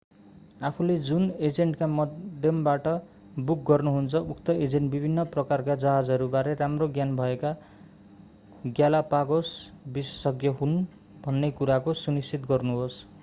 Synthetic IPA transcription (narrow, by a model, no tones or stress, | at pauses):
apʰuled͡zuned͡zeɳʈkamʌd̪d̪ʱjʌmbaʈʌ | buk̚ɡʌrnuɦunt͡sʰʌukt̪ʌed͡zeɳʈbibʱinːʌprʌkarkad͡zaɦad͡zɦʌɾubaɾʌɾamroɡjanbʱʌeka | ɡjalapaɡosbisʌ̥sʌɡjʌɦun | bʱʌnːekuɾakosunistit̪ɡʌrnuɦos